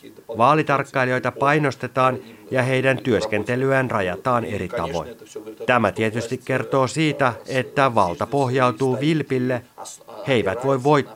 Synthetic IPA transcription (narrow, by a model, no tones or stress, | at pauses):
ʋɑːlit̪ɑrkːɑilio̞jt̪ɑpɑjno̞st̪e̞t̪ɑːnjɑɦe̞jdænt̪yø̞sk̟e̞nt̪e̞lyænrɑjɑ̰t̪ɑːne̞̰ɾit̪ɑ̰ʋo̞̰jnt̪æmæt̪iet̪yst̪ikːe̞rt̪o̞ːsiːt̪æet̪ːæʋɑlt̪ɑpo̞ɦjɑwt̪uːʋilpilːehe̞jʋæt̪ʋo̞jʋʋo̞jt̪ː